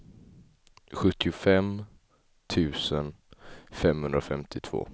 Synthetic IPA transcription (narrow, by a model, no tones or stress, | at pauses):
ɧɵt̪ːɪʊfɛm | t̪ʰʉ̟ːsən | fɛmhɵnd̪ɾaɔfɛmt̪ʰɪt̪ʰv̥o̰ː